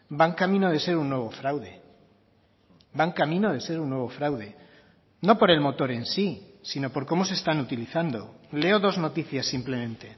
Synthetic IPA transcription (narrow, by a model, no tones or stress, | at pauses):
baŋkamĩnoð̞e̞se̞ɾunːwe̞β̞o̞fɾawðe̞̰ | baŋkamĩnoðe̞se̞ɾunːwe̞β̞o̞fɾawðe̞ | no̞po̞ɾe̞lmo̞t̪o̞ɾe̞nsisino̞po̞ɾko̞mo̞se̞st̪anut̪iliθand̪o̞̰le̞o̞ðo̞zno̞t̪iθjasːimple̞mẽ̞nt̪e̞